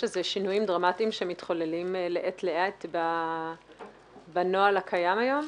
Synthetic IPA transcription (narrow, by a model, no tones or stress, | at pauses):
ʃezeʃinujimdʁamatimʃeemit̪χo̞lelimleʔetleʔaet̪ba | bano̞alakʰajamajo̞m